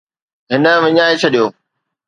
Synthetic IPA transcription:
ɦɪnə̆ʋɪɲaːet͡ɕʰɐɗijoː

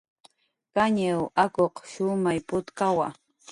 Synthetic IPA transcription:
kaɲawakoqʃʊmajpʊt̪kawa̰

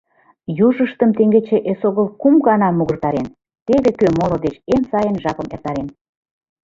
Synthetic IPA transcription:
juʒəʃt̪əmt̪eŋɡet͡ɕeʔesoɣəlkumɣɑnɑmuɣərt̪ɑɾen | t̪eβekømolŏd̪et͡ɕemsɑjənʒɑkə̆mḛrt̪ɑɾen

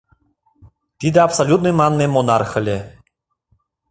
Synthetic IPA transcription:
t̪id̪ɛapsalʲut̪̚nɨjmanːemonarxə̆lʲe

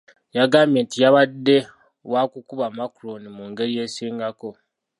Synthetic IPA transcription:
jaɡaːmjeːntijaβadːe̞ | wakukuβamakuɾo̞nimuːŋɡe̞ɾije̞ːsiːŋɡako̞

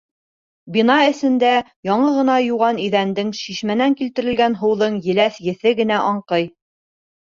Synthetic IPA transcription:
binɑɘ̆sɘ̆nd̪æ | jɑɴɤʁɤ̆nɑjuʁɑniðænd̪ɘŋʃiʃmænæŋkilt̪ɘ̆ɾɘ̆lɡænɦɤ̆wðɤɴjɘ̆læθjɘ̆θɘɡɘ̆n̪æʔɑɴqɤj

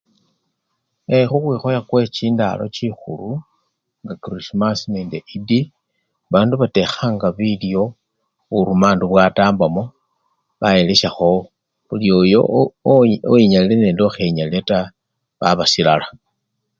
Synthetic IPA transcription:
exuxwiːxo̞jakwe̞t͡ʃiːnda̰lo̞̰t͡ʃixṵlu | ŋɡakrismasneːndeʔidi | βaːnduβate̞xaŋɡaβilijo̞ | uɾumaːnduβwataːmbamo̞ | βaje̞leʃaxo̞ | βuljo̞jo̞̰ | oiɲalile̞ne̞ːndoxeɲalileta | βaβasilala

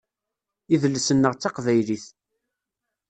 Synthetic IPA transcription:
iðəlːəsənːəʁt͡sːɑqvæjliθ

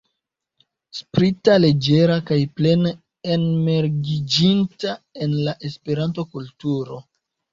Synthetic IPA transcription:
spɾitale̞d͡ʒe̞ɾakajple̞n | enme̞ɾɡid͡ʒintae̞nlaʔe̞spe̞ɾanto̞kultuɾo̞

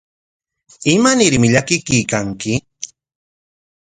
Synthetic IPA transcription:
ɪmanɪɾmɪʎakɪkijkaŋkɪ

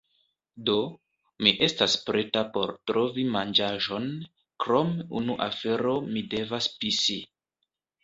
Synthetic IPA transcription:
do̞ | miʔe̞staspɾe̞tapo̞ɾtɾo̞vimand͡ʒaʒo̞n | kɾo̞mṵnuʔa̰fe̞ɾo̞mide̞vaspisi

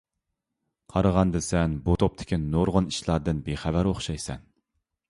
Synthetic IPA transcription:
qʰɑɾəʁɑnd̪ɨsɛnbut̪ʰop̚t̪ʰɪ̥kʲinoɾʁəniʃlˠɑɾd̪ɨnbeχævæɾoχʃɑjsɛ̰n

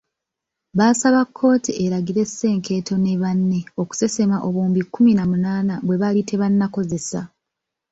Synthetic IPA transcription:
βaːsaβakʰːo̞ːtiʔeɾaɡiɾe̞sːe̞ːŋke̞ːtʰo̞ne̞βanːe̞o̞ku̥se̞se̞maʔo̞βuːmbikːuminamunaːnaβwe̞βalitʰe̞βanːako̞ze̞sa̰

